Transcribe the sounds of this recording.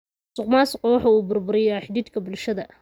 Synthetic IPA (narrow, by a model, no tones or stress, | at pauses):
sʊqmaːsʊqɔwɑħɑuːbʊrbʊɾɪjaħɪd̪iːd̪kʰɐbʊlʃɐðɐ